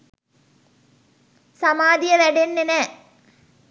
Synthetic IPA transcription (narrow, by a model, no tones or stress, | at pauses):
sɐmaːd̪ijɐʋæɖenːenɛ